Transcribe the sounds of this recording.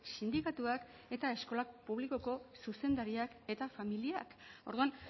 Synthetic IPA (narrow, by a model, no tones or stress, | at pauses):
sind̪ikat̪uak | e̞t̪ae̞sko̞lakpuβ̞liko̞ko̞suse̞nd̪aɾiake̞t̪afamiliako̞ɾðuan